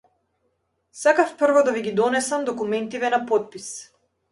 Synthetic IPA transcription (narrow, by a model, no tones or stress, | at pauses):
sakafpr̩vɔd̪aviɡid̪ɔnɛsamd̪ɔkumɛnt̪ivɛnapɔt̪̚pis